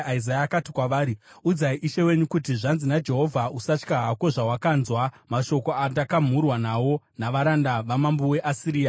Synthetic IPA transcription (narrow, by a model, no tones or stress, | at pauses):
aizajaakatikwaʋaːɾi | ud͡zaiʔiʃe̞we̞ɲukut̬iʐanzinad͡ʒe̞ɦo̞vʱausat͡ʃkaɦako̞ʐawakanzwamaʃo̞ko̞atakam̤urwanawo̞ | naʋaɾandaʋamambuwe̞ʔasiɾiːja